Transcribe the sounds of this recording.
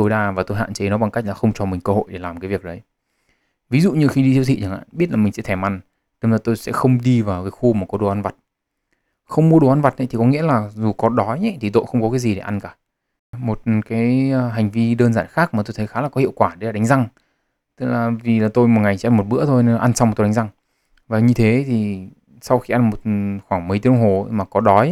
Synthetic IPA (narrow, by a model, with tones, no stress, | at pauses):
t̪o˧jɗaː˧vaː˨˩t̪o˧jɦa̰ː˧˨nt͡ɕə˨˦nɔ˨˦ɓa˨˩ŋka˦˥k̚laː˨˩xə˧wŋ͡mt͡ɕɔ˧˩mï˨˩ŋ̟kə˧ɦo̰˧˨jɗe˧˩laː˨˩mkaː˨˦vi˨˩ək̚ɗə˨˦j | vi˨˦zṵ˧˨ɲɨ˧xi˧ɗi˧i˦t̪ʰḭ˧˨t͡ɕə˨˩ŋʔa̰ː˧˨ɓi˦˥ət̚laː˨˩mi˨˩ŋ̟sɛ̰˧˥t̪ʰɛ˧˩ma˧˩ŋ | ɗe˧zəː˧˩t̪o˧jsɛ̰˧˥xə˧wŋ͡mɗi˧vaː˨˩wkaː˨˦jxu˧maː˨˩kɔ˨˦ɗo˨˩ʔa˧nva˨˩t̚ | xə˧wŋ͡mmu˧əɗo˨˩ʔnva˨˩t̚ʔə̰˨˦t̪i˨˩kɔ˨˦ŋḭ˧˥əlaː˨˩zu˨˩kɔ˨˩ɗɔ˨˦ɲɛ˨˦t̪ʰi˨˩t̪̬o̰˧˨jxə˧wŋ͡mkɔ˨˦kaː˨˦zi˨˩ɗe˧˩ʔa˧nkaː˧˩ | mo˨˩t̚kaː˨˦jɦa˨˩jŋ̟vi˧ɗəː˧nzaː˧˩nxaː˦˥k̚maː˨˩t̪o˧jt̪ʰə˨˦jxaː˨˦laː˨˩kɔ˨˦i˧˨wkwaː˧˩ɗe˨˦la˨˩ɗa˨˦ŋ̟za˧ŋ | t̪ɨ˦˥k̚laː˨˩vi˨˩laː˨˩t̪o˧jmo˨˩ŋa˨˩jt͡ɕḭ˧a˧mo˨˩t̚ɓɨ̰˧˥ət̪ʰo˧jne˧nla˨ʔa˧nsa˧wm˨˩t̪o˧˨˦ŋ˦za˧ŋ | vaː˨˩ɲɨ˧t̪ʰe˨˦t̪ʰi˨˩ | sa˧wxi˧ʔa˧nmo˨˩t̚xwaː˧˩ŋmə˨˩˦t̪i˨˧˦ə˧ŋ͡mɦo˨˩˧maː˨˩kɔ˨˦ɗɔ˨˦j